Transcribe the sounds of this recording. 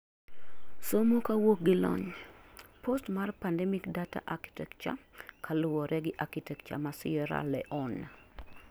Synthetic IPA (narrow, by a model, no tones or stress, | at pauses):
somokawok̚ɡɪlɔ̰ɲ | pʰostmarpandɛmikdata̰ʔaki̥tɛk̚t͡ʃa̰kʰalʊwɔɾʔɛɡɪʔakitɛk̚t͡ʃa̰masɪɛɾa̰lɛʔɔna